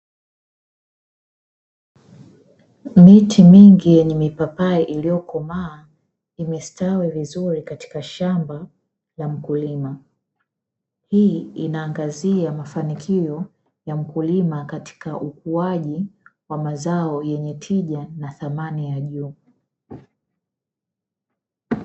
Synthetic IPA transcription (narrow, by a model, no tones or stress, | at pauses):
mitʰimiŋɡijɛɲɛmipapaɛʔilijɔkɔmaː | imɛstawɛvizuɾikati̥kaʃamba | lam̩kulima | hiːinaːŋɡaziamafanikʰijɔ | jam̩kulimakati̥kaʔukuaʄiwamazaɔjɛɲɛtʰiʄanaθamanijaʄuː